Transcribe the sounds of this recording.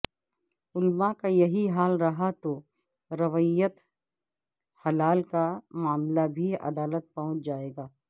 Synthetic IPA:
ʊlmakajɐɦiɦaːlɾɐɦat̪o | ɾɐʋijət̪ | hɐlaːlkamaːmlabʱiɐ̰d̪aːlət̪̚pɐɦʊ̃t͡ʃd͡ʒaːeːɡaː

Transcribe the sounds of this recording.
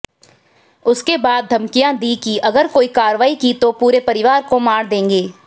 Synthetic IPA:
ʊskebaːd̪̚ːʱɐmkijãd̪ikiʔɐɡəɾkoːikaːɾʋaːikit̪opuːɾepɐɾɪʋaːɾkomaːɽd̪ẽːŋɡeː

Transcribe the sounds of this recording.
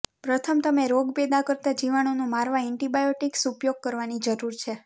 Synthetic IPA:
pɾət̪ʰəmt̪əmeɾoɡped̪akəɾt̪ad͡ʒiʋañonũmaɾʋaɛɳʈibajoʈiksupjoɡ̚kəɾʋanid͡ʒəɾuɾt͡ʃʰe

